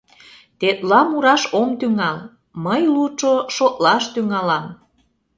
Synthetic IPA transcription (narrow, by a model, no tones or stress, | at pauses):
t̪et̪lɑmuɾɑʃomt̪yŋɑl | məjlut͡ʃoʃot̪lɑʃt̪yŋɑlɑm